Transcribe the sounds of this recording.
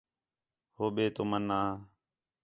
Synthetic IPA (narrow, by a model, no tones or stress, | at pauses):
hoːɓeːt̪omənːaː